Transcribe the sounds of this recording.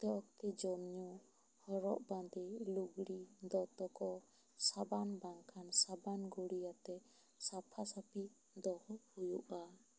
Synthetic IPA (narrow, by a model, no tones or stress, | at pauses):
t̪ɔkt̪id͡ʒɔmɲu | hɔɾɔ̰ʔbãnd̪iluɡɽid̪ɔt̪ɔkɔ | sabanbaŋkʰansabanɡuɽijat̪ɛ | sapʰasapi | d̪ɔhɔhujuʔa